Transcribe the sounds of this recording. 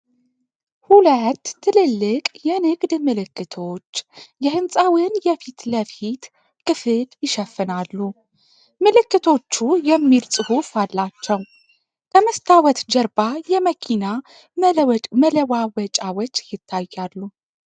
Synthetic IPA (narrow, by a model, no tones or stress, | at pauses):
hulət̪ʰːɨlɨlːɨkʼjɛnɨɡd̪mɨlɨkːɨt̪ʰo̞t͡ʃːjɛhɨnsʼawinjɛfit̪ləfit̪ | kʰʼɨfɨljɪʃɛfːɨnalːu | mɨlɨkːɨt̪ʰo̞t͡ʃːujɛmːilsʼɨhufalːat͡ʃːɛw | kʰəməst̪ʰawət̪d͡ʒəɾbajɛməkʰina | mələwawət͡ʃʼawɔt͡ʃːjɪt̪ʰːajːalːu